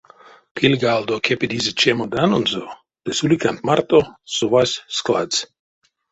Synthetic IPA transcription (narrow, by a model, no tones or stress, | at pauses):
kʰilʲɡald̪okʰepid̪izet͡ʃemod̪anonzo | d̪̥ɛsulikant̪maɾt̪osɔʋasʲsklas